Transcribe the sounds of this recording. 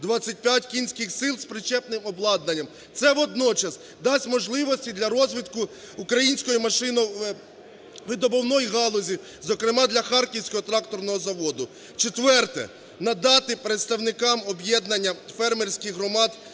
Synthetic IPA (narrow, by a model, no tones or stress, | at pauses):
d̪ʋɑt͡sʲːɐt̚ʲpʲjatʲkʲinʲsʲkɪxsɪlˠspɾɪt͡ʃɛpnɪmɔblˠɑd̪nɐnʲːɐm | t̪sɛʋɔd̪nɔt͡ʃɐs | d̪ɑsʲmɔʒlˠɪʋɔsʲtʲid̪lʲɐɾɔzʲʋʲit̪kʊː | kɾɐjinʲsʲkɔjʊmɐʃɪnɔ | ʋɪd̪ɔbɔwnɔjɦɑlˠɔzʲi | zɔkɾɪmɑd̪lʲɐxɑrkʲiwsʲkɔɦɔt̪ɾɑkt̪ɔrnɔɦɔzɐʋɔd̪ʊ | t͡ʃet̪ʋɛrt̪ɛ̰ | nɐd̪ɑt̪ɪpɾet̪st̪ɐwnɪkɑmɔbjɛd̪nɐnʲːɐfɛrmerʲsʲkɪxɦɾɔmɑd̪